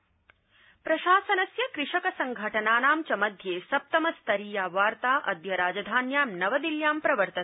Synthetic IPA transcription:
pɾɐʃaːsɐnɐsjɐkɾɪʂɐkɐsɐŋɡʱɐʈɐnaːnaːmt͡ʃɐmɐd̪ʱjeːsɐp̚t̪ɐmɐst̪ɐɾiːjaːʋaːɾt̪aːʔɐ̰d̪ʱjɐɾaːd͡ʒɐd̪ʱaːnjaːmnɐʋɐd̪iljaːmpɾɐʋɐɾt̪ɐ

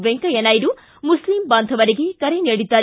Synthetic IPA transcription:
ʋeŋkɐjɐnɐjɾu | muslimbaːnd̪ʱɐʋɐɾiɡekɐɾeneːɽid̪ːaː

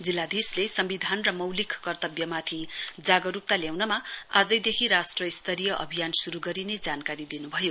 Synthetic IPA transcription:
d͡zilːad̪ʱislesʌmbid̪ʱanrʌmʌwlikkʌrt̪ʌbjʌmat̪ʰid͡zaɡʌɾuk̚t̪aljawnʌmaad͡zʌjd̪ekʰiɾasʈrʌist̪ʰʌɾijʌʔʌ̰bʱijansuɾuɡʌɾined͡zankaɾid̪inubʱʌjo

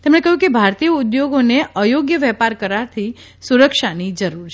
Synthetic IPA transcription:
t̪emɳ̃ekəɦjũkebʱaɾt̪ijəud̪joɡoneəjoɡjəʋɛpaɾkəɾaɾt̪ʰi | suɾəkʃanid͡ʒəɾuɾt͡ʃʰ

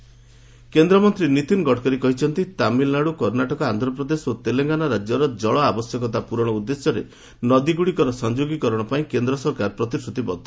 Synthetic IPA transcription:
kend̪ɾɔmɔnt̪ɾinit̪inɡɔʈkɔɾikɔɦit͡ʃʰɔnt̪it̪amilnaɽukɔɾnaʈɔkɔand̪ɾɔpɾɔd̪esot̪eleŋɡanaɾad͡ʒjɔɾɔd͡ʒɔɭɔabɔsjɔkɔt̪̬apuɾɔɽ̃ɔud̪ːesjɔɾḛ | nɔd̪iɡuɽikɔɾɔsɔnd͡ʒoɡikɔɾɔɽ̃ɔpaĩkend̪ɾɔsɔɾkaɾpɾɔt̪isɾut̪ibɔd̪ʱɔ

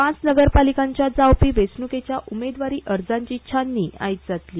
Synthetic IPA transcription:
ãt͡snəɡəɾpalikãɲt͡ɕjad͡zawpiːʋesnuket͡ɕjaʔumed̪ʋaɾiːʔəɾd͡zãɲt͡ɕiːt͡ɕʰanːiːa̰jt̪̚d͡zat̪liː

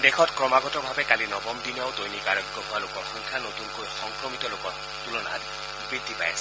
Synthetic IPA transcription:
dexʰɔtkɹɔmaɡɔtɔbʱabɛkalinɔbɔmdinaʊdojnikaɹɔɡjɔɦʊalokɔxɔŋkʰanotunkojxɔŋkɹɔmitɔlokɔ | tulɔna̰t | bɹidʱːipa̰ja̰sɛ

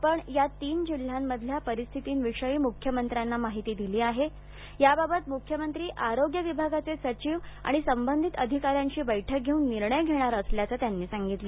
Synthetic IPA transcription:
pəɳjat̪iːnd͡ʑil̤ːjamːəd̪ʱljapəɾist̪ʰit̪iːnʋiʂəiːmukʰjəmənt̪ɾanːamaɦit̪iːd̪iliːaɦe | jababət̪mukʰjəmənt̪ɾiːʔaɾoɡjəʋibʱaɡat͡sesət͡ɕiːʋa̰ɽ̃isəmbənd̪ʱit̪əd̪ʱikaɾjãɲt͡ɕiːbəjʈʰək̚ɡʱeuːnːiɾɳəjɡʱeɽ̃aɾəsljat͡sat̪janːiːsaŋɡit̪li

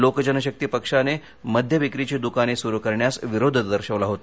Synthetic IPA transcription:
lokəd͡ʑənəɕək̚t̪ipəkʂane | məd̪ʱjəʋikɾit͡ɕid̪ukanesuɾukəɾɳjasʋiɾod̪ʱəd̪əɾɕəʋlaɦot̪

